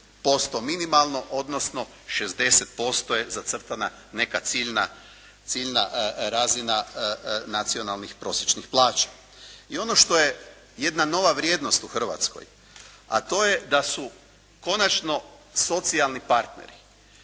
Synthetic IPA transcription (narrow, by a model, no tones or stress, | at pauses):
po̞st̪o̞minimalˠno̞ʔo̞d̪nosno̞ | ʃe̞zd̪e̞set̪̚po̞st̪o̞je̞zat̪sr̩t̪ana | ne̞kat̪siʎna | t̪siʎnaɾazina | nat̪sio̞nalnixpɾo̞sjet͡ʃnixplˠaːt͡ʃḁ | io̞no̞ʃt̪o̞je | jed̪nano̞ʋaʋɾje̞ːd̪no̞st̪uxr̩ʋa̰t̪sko̰j | a̰t̪o̞je̞d̪asu | ko̞nat͡ʃno̞so̞t̪sialˠnipaɾt̪ne̞̰ɾi